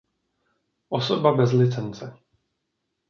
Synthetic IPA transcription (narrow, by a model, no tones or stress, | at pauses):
ʔosobabɛzlɪt͡sɛnt͡sɛ